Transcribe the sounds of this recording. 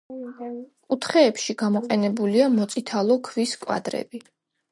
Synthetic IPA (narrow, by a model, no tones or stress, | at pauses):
kʼut̪ʰχɛːpʃiɡ̥amɔqʼɛnɛbuliamɔt̪sʼit̪ʰalˠɔkʰviskʼwa̰d̪ɾɛ̰bi